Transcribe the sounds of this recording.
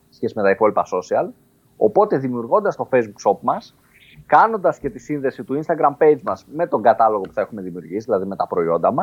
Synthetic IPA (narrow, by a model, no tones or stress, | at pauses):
e̥sçesime̞t̪ɐipolpɐso̞siɐl | o̞po̞t̪e̞ðimiuɾɣo̞nd̪ɐst̪o̞fe̞jzbukso̞pmɐs | kɐno̞nd̪ɐsce̞t̪isinðe̞sit̪uinst̪ɐɡɾɐmpe̞jd͡zmɐzme̞t̪o̞ŋɡɐt̪ɐlo̞ɣo̞pu̥θɐe̞xume̞ðimiuɾʝisiðilɐðime̞t̪ɐpɾo̞io̞̰nd̪ɐmɐs